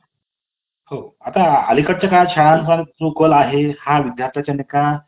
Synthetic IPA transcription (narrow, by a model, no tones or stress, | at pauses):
hoat̪aə̰likəʈ̚t͡ɕakajat͡ɕʰaɭansat͡sokəlaɦehaʋid̪jaɾt̪ʰjat͡ɕanikã